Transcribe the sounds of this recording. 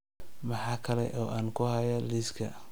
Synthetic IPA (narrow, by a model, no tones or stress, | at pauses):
mɑħɑːkʰɐlɛ̰ʔɔːʔaːnkʰʊhɐjɐliskʰɐ̰